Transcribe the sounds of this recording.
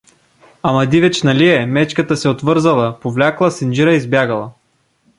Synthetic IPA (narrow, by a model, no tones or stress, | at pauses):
amɐd̪ivɛt͡ʃnɐliɛmɛt͡ʃkət̪əsɛot̪vɤɾzɐlˠɐpovlʲaklˠɐsind͡ʒiɾəizbjaɡəlˠɐ